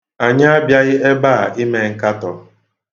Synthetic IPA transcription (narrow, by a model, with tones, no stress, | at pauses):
a˨ɲa˦a˦bja˦ɣɪ˦e˦ba˦˨a˨ʔi˦me˨ŋ̩˦ka˦tɔ˨